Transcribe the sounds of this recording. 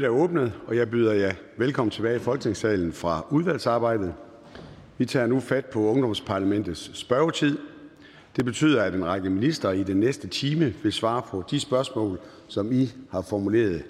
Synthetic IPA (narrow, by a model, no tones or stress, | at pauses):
æɐɔ̽ːb̥nəð̩ˠɒ̽jɑ̈ɪbyðˠɐjɑ̈ɪ | ʋelkʰɒ̽m̰n̩t͡sʰe̝b̥ɛːɪifɒlɡ̥ne̝ŋsɛ̰ːln̩fʁɑ̈uð̞ˠʋæl̰sɑ̈ːb̥ɑ̈ɪ̰d̥ð̩ˠ | ʋit͡sʰɑ̰ːnufæd̥̚pʰɒ̽ɔ̽ŋd̥ɒ̽mspʰɑ̈læmen̰d̥ð̩ˠsːb̥ɶɐʊt͡sʰið̰ˠ | d̥e̝b̥e̝t͡sʰy̰ːð̰ˠɐæd̥enʁɑ̈ɡ̥əminisd̥ɐid̥enːesd̥ət͡sʰiːməʋe̝lsʋɑ̈ːpʰɒ̽d̥isb̥ɶɐsmɔ̰̽ːl | sɒ̽mihɑ̈fɒmule̝̰ːɐð̞ˠ